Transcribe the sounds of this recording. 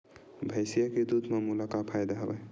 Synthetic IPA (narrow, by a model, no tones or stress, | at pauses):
bʱəjsijaked̪ud̪mamulakapʰajd̪aɦə̰bə̰